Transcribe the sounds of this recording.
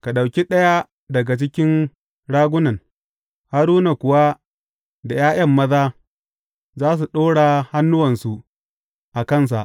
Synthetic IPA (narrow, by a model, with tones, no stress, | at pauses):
ka˨ɗa˨wkʲi˦ɗɐ˦ja˦ | dɐ˨ɡa˨t͡ʃɪ˦kʲɪ˦n | ɽaː˦ɡʷʊ˦nɐ˨ŋ | ha˦ɾuː˦na˨kʷʊ˨wa˦ | da˨jaː˦j̰ɐ˦˨mːɐ˦zaː˦ | zaː˦s̬u˨ɗoː˦ɽa˨ha˦nːʊ˦wɐ˨nsu˨ | ʔa˨kɐ˦˨ns̬a̰˨ʔ